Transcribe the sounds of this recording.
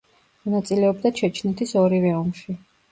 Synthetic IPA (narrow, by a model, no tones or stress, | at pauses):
mɔnat̪sʼilɛɔbd̪at͡ʃʰɛt͡ʃʰnɛt̪ʰisɔɾivɛɔmʃi